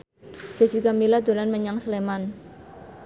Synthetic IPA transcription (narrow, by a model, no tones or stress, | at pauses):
d͡ʒ̥a̤sikamilad̪̥o̤lanməɲaŋsleman